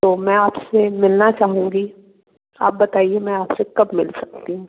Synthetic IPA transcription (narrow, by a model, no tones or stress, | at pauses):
t̪oːmɛ̃ːaːpsemɪlnat͡ʃaːɦũːɡi | a̰ːp̚bɐt̪aːiemɛ̃aːpsekɐbmɪ̰lsɐk̚t̪iɦũː